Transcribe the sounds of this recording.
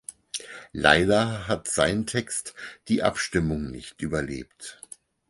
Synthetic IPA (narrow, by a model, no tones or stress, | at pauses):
la̰ɪdɐɦatz̥aɪntʰɛkstd̥iːʔa̰pʃtɪmʊŋnɪ̰çtʔyːbɐlḛːpt